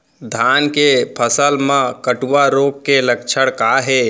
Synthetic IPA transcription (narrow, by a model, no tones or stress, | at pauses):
d̪ʱankepʰəsəlmãkəʈuʋaɾokːeləkt͡ʃʰəɽkaɦe